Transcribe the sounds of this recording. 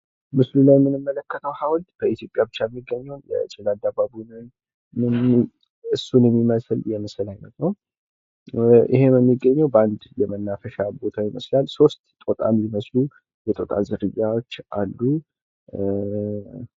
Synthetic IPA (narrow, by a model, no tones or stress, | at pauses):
mɨslulajɛmːɨnɨmːələkːət̪ʰəwhawnd̪bəit̪ʰjo̞pʼjabɨt͡ʃːajɛmːiɡːəɲːɛwnjɛ̰t͡ʃʼɨlad̪ababunɨn | ɨn | ɨsːunɨmːiməsljɛməsɨlajnət̪nəw | ʔɪ̰he̞mɛmːiɡːəɲːəwbəand̪jɛmənːafəʃabo̞t̪ʰawiməslalso̞st̪t̪ʼot̪ʼa̰miməslu | jɛt̪ʼo̞t̪ʼazɨɾɨjːawo̞t͡ʃːa̰lːu